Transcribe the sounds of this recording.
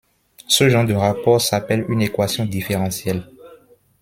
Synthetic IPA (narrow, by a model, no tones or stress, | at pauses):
səʒɑ̃ʁd̪əʁapɔʁsapɛlynekwasjɔ̃d̪ifeʁɑ̃sjɛl